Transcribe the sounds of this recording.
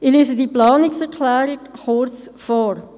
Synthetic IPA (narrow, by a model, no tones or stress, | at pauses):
ɪleːsədiplɑːnɪksɛɾkʰlæːɾɪkχoɾt͡sfɔːɾ